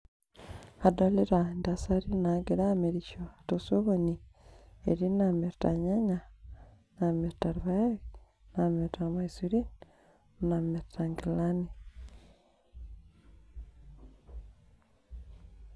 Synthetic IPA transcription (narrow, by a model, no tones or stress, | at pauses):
adoleɾandasaɾinaɡeɾameɾiʃotosoβoni | ḛɾinameɾta̰ɲaɲa | nameɾtaɾβaa | nameɾtamaisuɾin | nameɾtʰaŋɡilani